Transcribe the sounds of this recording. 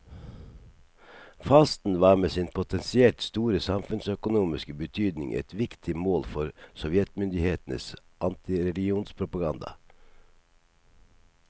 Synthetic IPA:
fɑːst̪n̩ʋɑːmeːsɪnpʰʊt̪ʰɛnsɪɛlt̪st̪uːɾəsɑmfʉnsœkʊnuːmɪskəbət̪ʰyːd̪nɪ̰ŋʔɛ̰t̪ʋɪkt̪ʰɪmoːlfɔɾsɔʋjɛt̪mʏnd̪ɪheːt̪n̩ə̰sʔɑnt̪ʰɪɾɛlɪɡɪuːnspʰɾʊpɑɡɑnd̪ɑ̰

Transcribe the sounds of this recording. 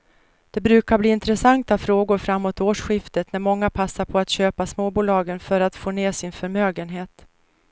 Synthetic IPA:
d̪̥ɛbɾʉ̟ːkaɾbliːɪnt̪ɾɛsaŋt̪afɾoːɡʊɾfɾamːoːt̪oːʂɧɪft̪ət̪næɾmɔŋːapʰasːaɾpʰɔat̪ɕøːpasmoːbuːlɑːɡənfœɾat̪foːneːsɪnfœɾmøːɡənɦeːt̪

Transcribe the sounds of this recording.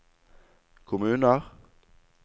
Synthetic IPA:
kʰʊmʉːnəʁ

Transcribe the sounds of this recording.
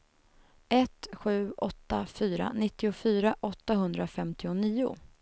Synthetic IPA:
ɛt̪ɧʉ̟ːʔɔt̪ːafyːɾa̰nɪt̪ːɪʊfyːɾaʔɔt̪ːaɦɵnd̪ɾafɛmt̪ɪʊniːʊ̰

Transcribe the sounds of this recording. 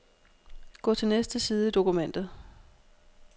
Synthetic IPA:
ɡ̥ɔ̰ːt͡sʰe̝lnesd̥əsiːð̞ˠəid̥o̝kumen̰d̥ð̩ˠ

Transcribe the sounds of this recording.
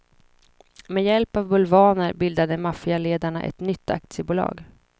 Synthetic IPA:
mɛjɛlpavbɵlvɑːnəɾbɪld̪ad̪əmafɪaleːd̪aɳaʔɛ̰t̪nʏt̪ʰːa̰k̚t̪sɪəbuːlɑ̰ːɡ

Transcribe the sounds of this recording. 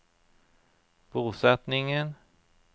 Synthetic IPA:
b̥uːsɛt̪nɪŋən

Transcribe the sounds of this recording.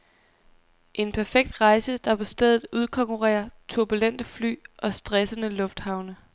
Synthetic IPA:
ʔe̝npʰæɐfeɡ̥̚d̥ʁɑ̈ɪsəd̥ɑ̈pʰɒ̽sd̥eðˠð̩ˠuð̞ˠkʰɒ̽ŋkʰuʁɛ̰ːɐt͡sʰuɐb̥ulen̰d̥əfly̰ːʔɒ̽sd̥ʁɛsənəlɔ̽fd̥hɑ̈ʊnə

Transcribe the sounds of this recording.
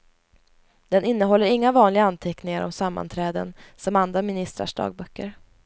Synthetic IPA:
d̪̥ɛnɪnːəɦɔlːəɾɪŋːavɑːnlɪɡaant̪ʰɛknɪŋaɾʔɔ̰msamːa̰nt̪ʰɾɛːd̪ənsɔmand̪ɾamɪnɪst̪ɾa̰ʂɖɑ̰ːɡ̚bœkːəɾ

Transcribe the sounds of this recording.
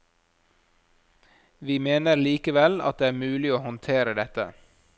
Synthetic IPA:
ʋiːmeːnəɾliːkəʋɛlɑ̰t̪̚d̪eːæːɾmʉːlɪoːhɔnt̪ʰeːɾəd̪ɛt̪ə̰

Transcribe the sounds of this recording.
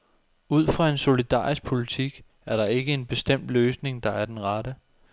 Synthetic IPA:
uð̞̰ˠfʁɑ̈e̝nso̝lid̥ɑ̰̈ːʁisɡ̥̚pʰo̝lit͡sʰiɡ̥ | æɐɾɑ̈e̝ɡ̥əe̝nb̥e̝sd̥em̰d̥løːsne̝ŋd̥ɑ̈æɐd̥enʁɑɾə

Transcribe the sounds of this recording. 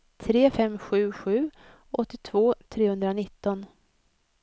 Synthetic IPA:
t̪ʰɾeːfɛmːɧʉ̟ːɧʉ̟ː | ʔɔt̪ːɪt̪ʰvoːt̪ʰɾeːhɵnd̪ɾanɪt̪ːɔn

